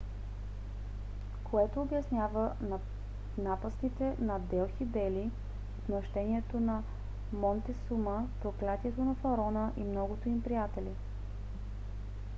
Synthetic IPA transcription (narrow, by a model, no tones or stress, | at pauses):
kʰoɛt̪oːbjɐsnʲjavən | napəsk̪it̪ɛnɐd̪ɛlˠxid̪ɛli | ot̪nɐʃt̪ɛniɛt̪onɐ | mɔnt̪ɛsuməpɾoklʲat̪iɛt̪onɐfɐɾɔnəʔimnɔɡot̪oimpɾijat̪ɛli